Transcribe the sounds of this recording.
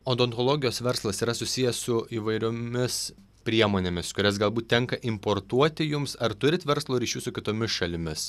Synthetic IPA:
oːnd̪oːnt̪olˠoːɡʲɪjoːsʋʲɛɾslˠɐsiːɾɐsʊsʲɪjɛssʊiːʋɐɪɾʲoːmʲɪs | pʲɾʲiɛmoːnʲeːmʲɪskʊɾʲɛsɡɐlˠbuːt̪ʲtʲɛŋkɐʔɪmpoːɾt̪uɔt̪ʲɪjʊmsɐɾt̪ʊɾʲɪt̪ʋʲɛɾslˠoːɾʲɪʃʲuːsʊkʲɪt̪oːmʲɪsʃɐlʲɪmʲɪs

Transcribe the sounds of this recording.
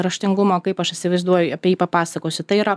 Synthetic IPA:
ɾɐʃʲt̪ʲɪŋɡʊmoːkɐɪpɐʃɪt̪ʲsʲɪʋɐɪzd̪uɔjʊɐpʲiɛjiːpɐpɑːsɐkoːsʲʊt̪ɐɪiːɾɐ

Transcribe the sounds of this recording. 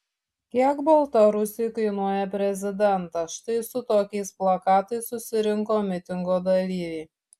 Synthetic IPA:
kʲiɛkbɔlˠt̪ɐɾʊsʲɪjkɐɪnuɔjɛpʲɾʲɛzʲɪd̪ʲɛnt̪ɐʃt̪ɐɪsʊt̪oːkʲɛɪsplˠɐkɑːt̪ɐɪsːʊsʲɪɾʲɪŋkoːmʲɪt̪ʲɪŋɡoːd̪ɐlʲiːʋʲiː

